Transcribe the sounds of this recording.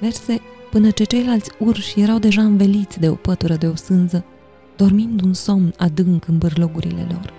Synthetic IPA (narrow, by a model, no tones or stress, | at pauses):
ve̞rse̞pɨnət͡ʃe̞t͡ʃe̞jlalt̪sʲurʃje̞ɾawd̪e̞ʒaɨnve̞lit̪sʲd̪e̞o̞pət̪uɾəd̪e̞o̞sɨnzə | d̪̥o̞rmind̪unso̞mnad̪ɨŋkɨnbɨrlo̞ɡuɾḭle̞̰lo̞̰r